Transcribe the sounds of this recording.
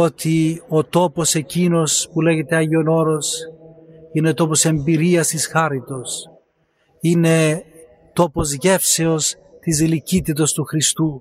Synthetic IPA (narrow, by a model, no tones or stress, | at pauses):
o̞t̪io̞t̪o̞po̞se̞cino̞spule̞ʝe̞t̪e̞ɐʝeo̞no̞ɾo̞s | ine̞ot̪o̞po̞se̞mbiɾiɐst̪isxɐɾit̪o̞s | ine̞ | t̪o̞po̞zʝe̞fse̞o̞s | t̪izlicit̪it̪o̞st̪uxɾist̪u